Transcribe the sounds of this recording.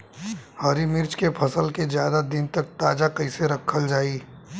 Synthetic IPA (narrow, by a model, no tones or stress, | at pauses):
hɐɾimɪɾt͡ʃkepʰɐsəlkezjaːd̪ad̪ɪnt̪ɐk̚t̪aːd͡ʒakɐɪseɾɐkʰːəld͡ʒaːiː